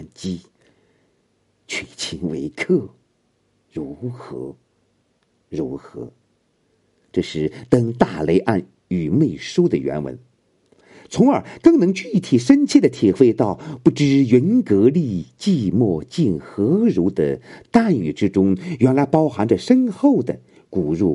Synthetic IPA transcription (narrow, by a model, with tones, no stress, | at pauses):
nt͡ɕi˥ | t͡ɕʰi˧˩t͡ɕʰi˧˥ŋwḛ˧˥ɪkʰɤ˥˩ | ɻu˧˥xɤ̰˧˥ | ɻu˧˥xɤ̰˧˥ | ʈ͡ʂɤ˥˧ʂɻ̩˥˩t̪ɤ˥ŋt̪a˥˩le˧˥ɪʔa˥˩n | y˨˩me˥˩ɪʂu˥d̪ə˨ɥɛ̰˧˥nwə̰˧˥n | t͡sʰʊ˧˥ŋə˞˨˩˦kɤ˥˩ŋnɤ˧˥ŋt͡ɕy˥˩t̪ʰi˨˩ʂə˥nt͡ɕʰi˥˩d̪ə˩t̪ʰi˨˩xwe˥˧ɪt̪ɑ˥˩ʊpu˥˩ʈ͡ʂɻ̩˥˩jə˧˥nkɤ˧˥li˥˧t͡ɕi˥˧mwɔ˥˧t͡ɕi˥˩nxɤ˧˥ɻu˧˥d̪ə̰˨t̪a˥˩ny̰˨˩ʈ͡ʂɻ̩˥ʈ͡ʂʊ˥ŋɥɛ˧˥nla˧˥ɪpɑ˥ʊxa˧˥nʈ͡ʂə˧ʂə˥nxo˥˩ʊd̪ə̰˩ | ku˨˩ɻṵ˥˩